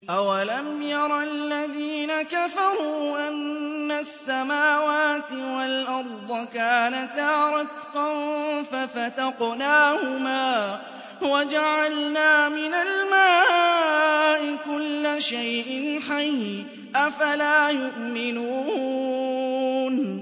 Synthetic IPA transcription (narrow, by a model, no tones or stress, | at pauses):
ʔawalamjɑɾˤɑlːaðiːnakafɑɾˤuːʔanːasːamaːwaːt̪ɪwalʔɑɾˤd̪ˤɑkaːnat̪ɑːɾˤɑt̪qɑnfafat̪ɑqnaːhʊmaː | wad͡ʒaʕalnaːmɪnalmaː | ʔɪkʊlːaʃajʔɪnħaj | ʔafalaːjʊʔmɪnuː | n